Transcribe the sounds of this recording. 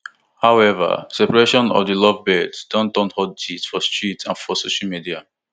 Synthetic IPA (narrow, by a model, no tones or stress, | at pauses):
haʊɛva̰sɛpaɹeʃɔ̃nɔ̰dilɔvbɛdsdɔ̃ntɔ̃nhɔdditfɔstɹitʰãnfɔsoʃalmidia̰